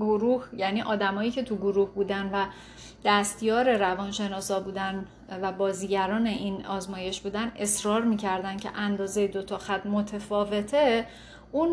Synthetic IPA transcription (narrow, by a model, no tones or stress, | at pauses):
ɡoɾuːhjæniːʔɒːd̪æmɒːjiːcʰe̞t̪ʰuɡoɾuːhbuːd̪ænvæ | d̪̥æst̪jɒːɾe̞ɾævɒːnʃe̞nɒːsɒbuːd̪æn | væbɒːziːɟæɾɒːne̞ʔinɒːzmɒːje̞ʃbuːd̪æne̞sɾɒːɾmiːcʰæɾd̪æn̥cʰe̞̰ʔænd̪ɒːzejed̪o̞t̪ʰɒxæt̪mo̞t̪ʰefɒːve̞t̪ʰe | un